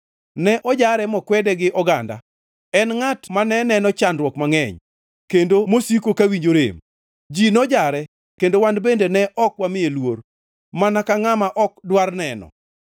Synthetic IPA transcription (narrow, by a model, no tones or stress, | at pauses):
nɛʔɔd͡ʒaɾɛmɔkwɛdɛɡɪʔɔɡa̰nda̰ | ɛnŋatmanɛnɛnɔt͡ʃanɾwɔkmaŋɛɲ | kendomosikokawiɲd͡ʒoɾḛm | d͡ʒinɔd͡ʒaɾɛ | kendowandbendenɛʔɔkwamɪjelwor | manakaŋamaʔɔk̚dwarnɛnɔ̰